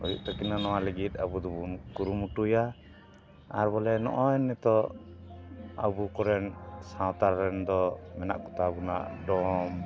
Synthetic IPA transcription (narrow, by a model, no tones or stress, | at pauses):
ɔ̰jṵʔt̪akinanɔwaləɡit̪̚abud̪ɔbunkuɾumuʈuja | a̰ɾbɔlɛnɔ̰ʔɔjnːɛt̪ɔ | a̰bukɔɾɛnsãwt̪aɾɾɛnd̪ɔmɛna̰ʔkɔt̪abuna̰ʔɖɔm